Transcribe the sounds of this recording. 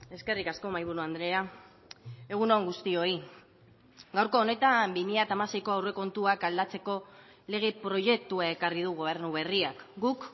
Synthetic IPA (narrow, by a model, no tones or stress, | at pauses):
e̞ske̞rikasko̞majβuɾuand̪ɾe̞a | e̞ɣ̞unoŋɡust̪io̞i | ɡawɾko̞ːne̞t̪ambimiʎat̪amase̞jko̞awre̞ko̞nt̪uakald̪at͡se̞ko̞ | le̞ɣ̞e̞pɾo̞ʝe̞k̚t̪uae̞karið̞uɣ̞o̞β̞e̞ɾnuβ̞e̞riakɡuk